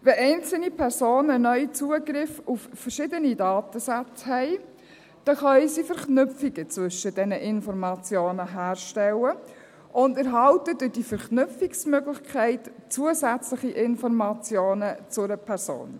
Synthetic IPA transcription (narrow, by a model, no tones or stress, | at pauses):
vɛʔɛɪnt͡sl̩nipʰɛɾsoːnənœʏt͡suəɡɾɪfuffɛɾʃɪdənidɑːtəsæt͡shɛɪ | d̥ɛχœɥjsifɛɾknʏfiɡət͡sʋʏʃəd̥ɛnəʔɪnfɔɾmɑt͡sjoːnəɦæːrʃtɛlə | ʔʊndəɾɦɑltədʊd̥ifɛɾknʏpfiksmøɡlɪçkʰɛɪtt͡suəzæt͡slɪχiʔɪnfɔɾmɑt͡sjoːnət͡sʊɾəpʰɛɾso̰ːn